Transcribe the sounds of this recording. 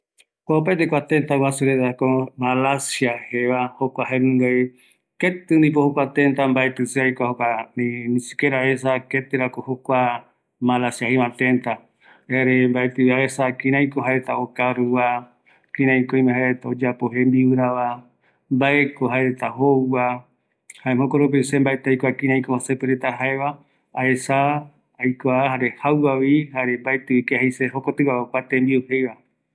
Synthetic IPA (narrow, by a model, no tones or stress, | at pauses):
koop̬aet̪ekʷat̪ent̪awasuɾeðakomalasiaheβahokʷahenũŋɡaj | ket̪ɨnĩp̬ohokʷat̪ent̪ambaet̪ɨseajkʷahokaninĩsikeɾaesaket̪ɨɾakohokʷa | malasjaheβãt̪ent̪a | eɾembaet̪ɨaesakiɾãjkoɦaeɾet̪aokaɾuβa | kĩɾãjkoĩmẽhaeɾet̪aod͡ʒapoɦembiɨɾaβa | mbaekoɦaeɾet̪aɦowa | haehokoɾup̬esembaet̪ajkʷakĩɾãjkohosepeɾet̪aɦaeβa | aesaː | jkʷaɦaɾehawwawihaɾembaet̪ɨikehajseɦokot̪ɨwahokʷat̪ẽmbiuhejβa